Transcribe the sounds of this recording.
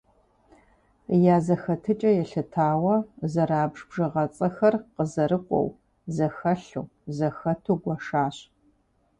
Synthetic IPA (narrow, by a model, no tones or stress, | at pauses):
jaːzɐxɐtʰɨt͡ʃʼɐjɛɬɨtʰaːwɐzɐɾaːbʐbʐɐʁɐt͡sʼɐxɐrqəzɐɾɨqʷʼɔ̰w | zɐxɐɬuːzɐxɐtʰuɡʷɐʂaːɕ